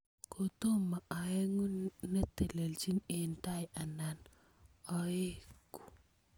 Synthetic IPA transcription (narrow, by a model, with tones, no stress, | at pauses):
kʰo˨to˦ma˨a˨e˦ŋu˦nːa˦te˨le˨lt͡ʃi˦ne˨nta˦jʔa˨na˨n | ɔ˨e˦ku̥˨